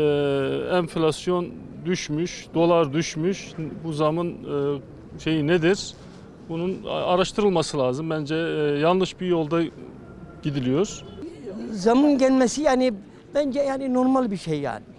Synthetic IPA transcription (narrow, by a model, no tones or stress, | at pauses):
ɛɱflʲasjo̞n | d̪yʃmyʃd̪̥o̞lˠaɾd̪yʃmyʃbuzamɯn | ʃe̞jined̪iɾ̥ | bununaɾaʃt̪ʰɯɾɯlˠmasɯlˠaːzɯmbænd͡ʒɛjanˠnɯʃbiɾjo̞lˠd̪a | ɟ̥id̪ilʲijo̞ɾ̥ | zamɯnɟælʲmɛsijaːni | bænd͡ʒɛjaːninoɾmalˠbiɾʃejːa̰ːni